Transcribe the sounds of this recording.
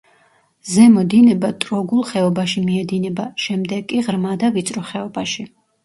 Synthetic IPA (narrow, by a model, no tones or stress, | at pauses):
zɛmɔd̪inɛbat̪ʼɾɔɡulˠχɛɔbaʃimiɛd̪inɛbaʃɛmd̪ɛɡkʼːiʁɾmad̪avit̪sʼɾɔχɛɔbaʃi